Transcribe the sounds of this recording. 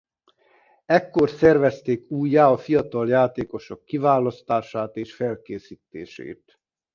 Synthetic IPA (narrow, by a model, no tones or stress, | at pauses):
ɛkːo̞rsɛrvɛst̪eːkuːjːaːɒfijɒt̪ɒljaːt̪eːko̞ʃokːivaːlɒst̪aːʃaːt̪eːʃfɛlkeːsiːt̪ːḛːʃḛːt̪